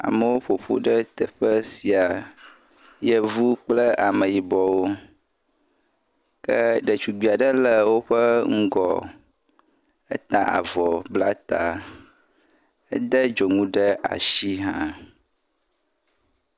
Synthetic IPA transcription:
a̰˨mə˨wo˦ɸo˨ɸo̰˦ɖə˦t̪ə˨ɸə˦si˨a˨ | jə˦vu˦k͡plə˦a˨mə̃˨ji˨bɔ˨wo˦ | kə˦ɖə˨t͡ʃu˨ɡ͡bi˨a˨ɖə˦lə˨wo˦ɸə˦ŋ̩˦ɡɔ˨ | ə̰˦t̪ã˦a̰˨vɔ˨bla˦t̪a̰˨ | ə˦d̪ə˦d͡ʒo˨ŋũ˦ɖə˦a̰˨ʃi˦ɦã˦

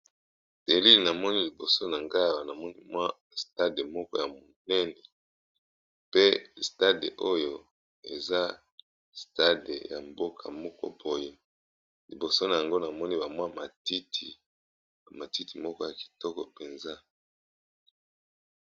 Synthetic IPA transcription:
d̥e˨li˦lna˨mɔ˦ni˦li˨bo˨so˦na˨ŋɡa˦a˨wa˨na˨mɔ˦ni˦mwa˦ | sta˦de˨mɔ˦kɔ˦ja˨mo˨nɛ˦nɛ˨ | pe˦sta˦dḛ˨ʔo˦jo˦ | ḛ˨za˦ | sta˦de˨ja̰˨mbo˦kʰa̰˨mɔ˦kɔ̰˦bo˨je˦ | li˨bo˨so˦na˨ja˨ŋɡo˦na˨mɔ˦ni˦ba˨mwa˦ma˨ti˦tʰi˨ | ma˨ti˦ti˨mɔ˦kɔ˦ja˨ki̥˨tɔ˦kɔ˨pe˨nza˦

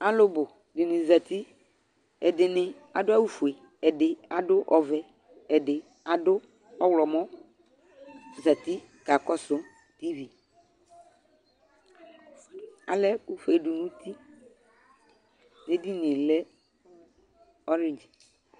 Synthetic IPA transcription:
a˨lʊ˦bʊ˨ | dɪ˨nɪ̃˨za˨t̪i˦ | ɛ˨dɪ˨nɪ̃˨ | a˨dʊ˦a˦wu˨fu˨e˨ | ɛ˨dɪ˨a˨dʊ˦ʔɔ˨vɛ˨ | ɛ˨dɪ˨ | a˨dʊ˦ | ɔ˦wlɔ˨mɔ̃˦ | za˨t̪i˦ | ka˨kɔ˦sʊ˦ | t̪i˦vi˨ | a̰˨lɛ˦ku˦fe˨dʊ˨nũ˦t̪ʰi˦ | ne˦di˦n˨ĩ˨lɛ˦ | ɔ˦ɾe˨nd͡ʒ

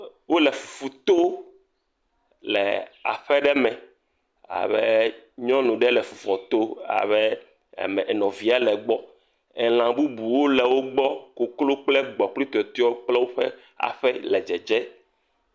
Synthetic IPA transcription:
wo˦lɛ˨fu̥˨fu˨t̪o˦ | lɛ̰˨a̰˨ɸɛ˦ɖɛ˦mɛ̃˨ | a̰˨βɛ˦ɲɔ̃˦nũ˨ɖɛ˦lɛ˨fu̥˨fɔ˨t̪o˦a̰˨βɛ̰˦˨ | mɛ˨nɔ̃˨vi˨a˦lɛ˨ɡ͡bɔ˦ | ɛ˨l̃ã˨bu˦bu˨wo˦lɛ˨wo˦ɡ͡bɔ˦ko˨klo˦k͡plɛ˦ɡ͡bɔ˨k͡pli˦t̪o˨ɛ˨t̪ɔ˦ɔ˦wo˦k͡plɛ˦wo˦ɸɛ˦ | a̰˨ɸɛ˦lɛ˨d͡ʒɛ˨d͡ʒɛ˦

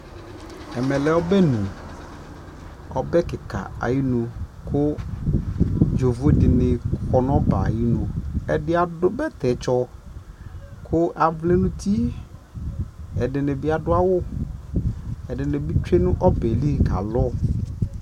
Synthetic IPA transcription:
ɛ˨mɛ˨lɛ˨ɔ˦bɛ˦nũ˨ | ɔ̰˦bɛ˦kɪ˨ka̰˨a̰˨ji˦nʊ˨kʊ˦ | d͡ʒo˨vʊ˨˦dɪ˨nɪ˨kɔ˨n˦ɔ˦ba̰˨ji˦nʊ˨ɛ˨dɪ˦a˨dʊ˦bɛ˦t̪ɛ˨˦t͡ʃɔ˦ | kʰʊ˦ʔa˨vle˦nʊ̃˦t̪i˦ | ɛ˨dɪ˨nɪ˨bɪ˦a˨dʊ˦a˦wʊ˦ | ɛ˨dɪ˨nɪ˨bi˦t͡ʃe˦nʊ̃˦ʔɔ˦bɛ˨li˦˨ɡa̰˨lɔ˦

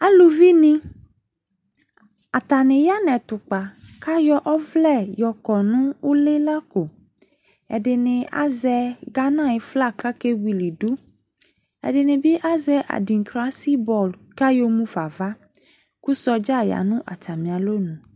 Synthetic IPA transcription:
a˦lu˨vi˦nĩ˦ | a˨t̪a˨nɪ̃˨ja˦nɛ̃˨t̪ʊ˨k͡pa˨ka˦jɔ˦ʔɔ˦vlɛ˦˨jɔ˨kɔ˨nũ˦wu˦le˦la˦ko˨ | ɛ̰˨dɪ˨nɪ̃˨a̰˦zɛ˨ɡa˦nã˦˨jɪ˨fla˦˨ka˦ke˦wi˨li˨du˦ | ɛ̰˨dɪ˨nɪ̃˨bi˦ʔa˦zɛ˦ʔa̰˨di˨ŋ˨kɾa˦si˦bɔ˨lka˦jo˦mũ˦fa˨va˦ | ku˦sɔ˦d͡ʒa˦˨ja̰˨nʊ̃˦ʔa˨ta˨mĩ˨a˨lo˦nũ˨

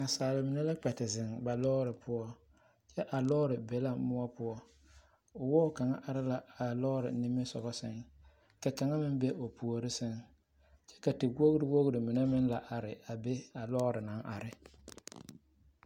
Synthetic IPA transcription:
a˨saː˨lɪ˨mɪ˨na˦la˦k͡pɛ˨tɪ˨zɪ˨ŋba˨lɔ˦ɾɪ˨pʰʊ˦ɔ˦ | t͡ʃɛ˦ʔa˨lɔ˦ɾɪ˨be˨˦la˦mʊ˦ɔ˦pʊ˦ɔ˦ | ʊ˨wɔ˦ʊ˨ka˨ŋa̰˦ʔa˨ɾɪ˦la˨a˨lɔ˦ɾɪ̰˨nɪ˦mɪ˦sɔ̰˨ɣɔ˦sɪ̰˨ŋ | ka˨ka˨ŋa˦mɪ˦be˦ʔo˨pu˨o˨ɾɪ˦sɪ˦ŋ | t͡ʃɛ̥˦ka˨tɪ˨wo˦ɣɾɪ˦wo˦ɣɾɪ˨mɪ˨nɛ˦mɪ˦nla˨ʔa˨ɾɪ˨a˨be˦a˨lɔ˦ɾɪ˨na˨˦ŋʔa̰˨ɾɪ˨

